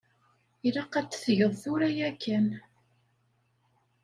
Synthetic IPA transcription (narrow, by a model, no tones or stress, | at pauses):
ilɑqːæt͡sːθʝəðˤθʊɾæjækːæn